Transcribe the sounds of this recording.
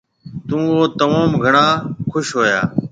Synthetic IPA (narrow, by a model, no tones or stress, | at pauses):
t̪ũːoːt̪əmaːmɡʱəɳaːkʰʊʃɦoːjaː